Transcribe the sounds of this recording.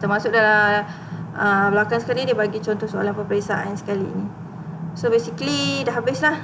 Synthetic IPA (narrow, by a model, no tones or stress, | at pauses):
t̪ərmasʊk̚dala | ʔəblakansəkalidibaɡit͡ʃɔnt̪ɔhsoa̰lapəpəɾesaʔansə̥kalḭːni | sobesiklidaɦabɪslah